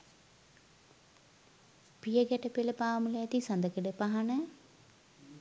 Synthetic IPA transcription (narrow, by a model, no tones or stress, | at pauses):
pijəɡɛʈəpeləpaːmuleɛt̪isɐnd̪əkeɖəpaɦanə